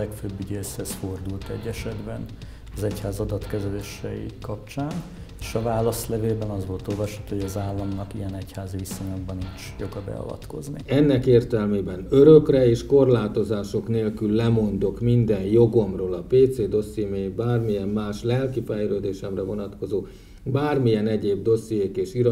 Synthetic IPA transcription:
lɛkføbːyɟeshɛsford̪ult̪ɛ̰ɟːɛʃɛd̪bɛn | ɒzɛchaːzɒd̪ɒt̪kɛzɛleːʃɛjḭkɒpt͡ʃaːn | eːʃɒvaːlɒslɛveːlbɛnɒzʋo̞lt̪olvɒʃat̪ːohoɟɒzaːlːɒmnɒkijɛnɛchaːzivisoɲoɡbɒnit͡ʃjo̞ɡɒbɛ̰ɒ̰vɒ̰t̪ko̞zniɛnːɛkeːrt̪ɛlmeːbɛnø̞ɾøkrɛeːʃko̞rlaːt̪o̞zaːʃo̞kneːlkylːɛmo̞nd̪o̞kmind̪ɛnjo̞ɡo̞mroːlɒpeːt̪seːd̪o̞seːmeːbaːrmijɛmːaːʃlɛlkifɛjɾøːd̪eːʃɛmrɛvo̞nɒt̪ko̞zoː | baːrmijɛnɛɟeːbd̪o̞sijeːkeːʃiɾɒ

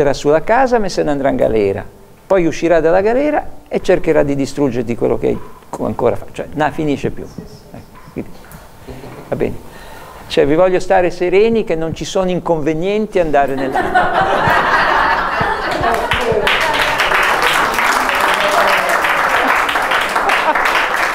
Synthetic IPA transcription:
aɾasːulakaːzamesːenːand̪ɾaiŋɡa̰lɛːɾa̰ | pɔjuʃːiɾad̪alaɡalɛːɾaet͡ʃːerkeɾad̪ːid̪ist̪ɾud͡ʒːeɾt̪ikwḛlːo̰kḛa̰jka̰ŋko̰ːɾa̰fat͡ʃoɛnafiniːʃepjṵ | ɛ | kwḭnd̪i | vabɛ̰ːne | t͡ʃoɛvivɔʎːost̪aːɾeseɾeːnikenːont͡ʃisoːnoiŋkoɱvenjɛnt̪iand̪aːɾenelːaa

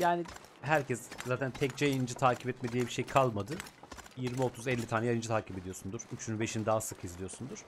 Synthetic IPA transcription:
jaːni | ɦæɾcʰɛszaːt̪ʰænt̪ʰɛc̚t͡ʃeinind͡ʒɯt̪ʰaːcʰipɛt̪med̪ijɛbiʃejkʰalˠmad̪ɯjiɾmiot̪ʰuzɛlʲːit̪ʰaːnɛjajɯnd͡ʒɯt̪ʰaːcʰibed̪ijo̞sund̪uɾyt͡ʃʰynbe̞ʃinid̪aːsɯkʰizlʲijo̞ɾsund̪uɾ̥

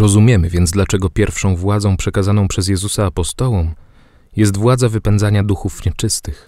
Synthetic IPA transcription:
ɾɔzumʲjɛmɘvʲjɛnd̪zd̪lat͡ʂɛɡɔpʲjɛɾfʂɔ̃w̃vwad̪zɔ̃w̃pʂɛkazanɔ̃w̃pʂɛzjɛzusaːpɔst̪ɔwɔ̃w̃ | jɛs̬t̪vwad̪zavɘpɛnd̪zaɲad̪uxufɲɛt͡ʂɘst̪ɘx

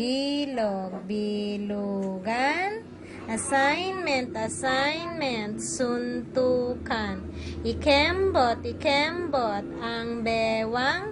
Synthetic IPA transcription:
iloɡ̚biluɡan | asajnmɛnt̪asajnmɛnt̪sunt̪ukan | ikɛmbot̪ikɛmbot̪̚aŋbɛwaŋ

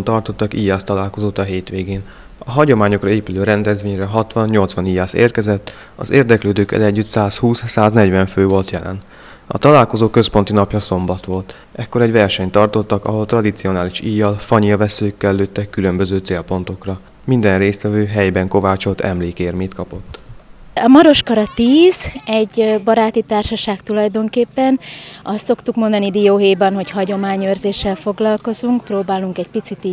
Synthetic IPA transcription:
nt̪ɒrt̪o̞t̪ːɒkijːaːst̪ɒlaːlko̞zoːt̪ɒɦeːt̪ʋeːɡeːn | ɒɦɒɟo̞maːɲokrɒeːpyløːɾɛnd̪ɛzʋeːɲrɛɦɒt̪ʋɒnɲo̞lt̪sʋɒnijaːsḛːrkɛzɛt̪ː | ɒ̰zḛːrd̪ɛkløːd̪øːkːɛ̰lɛɟːyt̪saːshuːssaːznɛɟvɛɱføːvo̞lt̪jɛlʔɛ̰n | ɒ̰t̪ɒlaːlko̞zoːkø̞spo̞n̪t̪inɒpjɒso̞mbɒt̪ʋo̞lt̪ | ɛkːo̞ɾɛɟʋɛrʃɛɲt̪ɒrt̪o̞t̪ːɒkɒ̰ɦo̞lt̪rɒd̪it̪sio̞naːliʃijːɒlfɒɲilvɛsøːkːɛlːøːt̪ːɛkːylø̞mbøzøːt̪seːlpo̞nt̪o̞krɒ | mind̪ɛnreːst̪ʋɛvøːɦɛjbɛŋko̞vaːt͡ʃo̞lt̪ɛ̰mleːkeːrmeːt̪kɒpo̞t̪ːɒmɒɾo̞ʃkɒɾɒt̪iːzɛɟbɒɾaːt̪it̪aːrʃɒʃaːkt̪ulɒjd̪o̞ŋkeːpːɛnɒst̪so̞kt̪ukmond̪ɒnid̪ijoːɦeːbɛnɦo̞chɒɟo̞maːɲøːrzeːʃːɛlfo̞ɡlɒlko̞zuŋkproːbaːluŋkɛcpit̪sit̪i

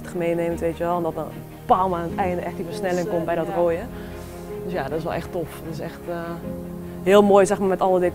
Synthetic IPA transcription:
tə̥xəmeːneːməntʋeːtjəʋɛlˠɔmdɔt̚ə | paːlmanətɛjndəʔɛxtifərsnɛlɪŋkombɛjdɔtroːjə | døsjadɔtɪsʋɛ̰lˠɛxtoftɪsɛxt | ɦɪəlˠmoːjsɛxmamɛtɔlˠədɪ

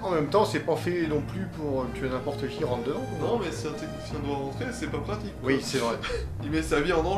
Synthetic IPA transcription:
ɑ̃mɛmt̪ɑ̃sɛpafɛnɔ̃plypuʁøt̪yanɛ̃pɔʁt̪əkʲiʁɑ̃t̪d̪əvɑ̃nɔ̃mɛsɛɛ̃t̪ek̪isjɛ̃d̪waʁɑ̃t̪χesɛpapχat̪ikmwisɛvʁɛ | imɛsaviɑ̃nɑ̃

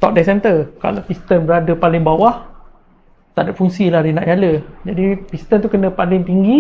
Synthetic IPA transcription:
t̪ɔp̚dɛsɛmt̪əka̰lapist̪ənbəɾadəpalɪŋbawah | t̪aʔdap̚fuŋsilahɾinaʔjaləd͡ʒadipist̪ənt̪ukənə̃palɪŋt̪iŋɡi

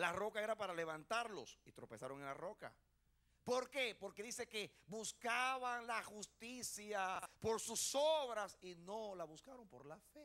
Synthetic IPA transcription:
laro̞kae̞ɾapaɾale̞βant̪aɾlo̞sit̪ɾo̞pesaɾo̞ŋenlaro̞ka̰ | po̞ɾke̞po̞ɾke̞ðise̞ke̞buskaβaŋlaxust̪isjapo̞ɾsusoβɾasino̞laβuskaɾo̞mpo̞ɾlafe

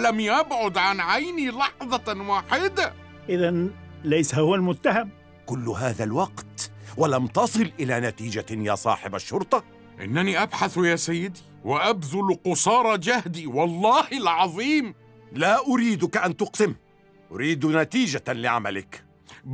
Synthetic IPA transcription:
lamjʔabʕʊd̪ʕanʕajniːlɑħðˤɑwaːħɪd̪a | ʔɪðanlajsahhʊwalmʊt̪ːaham | kʊlːʊɦaːðalwɑqt̪walamt̪ɑsˤɨlʔɪlaːnat̪iːd͡ʒaja̰ːsˤɑ̰ːħɪbaʃːʊɾˤt̪ˤɑ | ʔɪ̰nːæniːʔabħaθjaːsajːɪd̪i | waʔabðʊlqʊsɑːɾˤɑd͡ʒahd̪iːwɑlˤːɑːhɪlʕɑðˤiːm | laːʔʊɾiːd̪ʊkaʔant̪ʊqsɪm | ʔʊɾiːd̪nat̪iːd͡ʒalɪʕa̰ma̰lɪ̰k

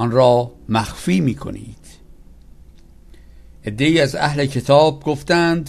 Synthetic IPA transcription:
ɒnɾɒːmæxfiːmiːkʰo̞̰nḭːd̪̥ | ʔe̞d̪ːe̞iːæzæ̰hle̞cʰe̞t̪ʰɒːb̚ɡoft̪ænd̪

